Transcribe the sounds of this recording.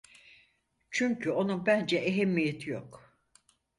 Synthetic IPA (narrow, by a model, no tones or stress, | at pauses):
t͡ʃʰyɲcʰyo̞nunbænd͡ʒɛʔeɦemːijet̪ʰijok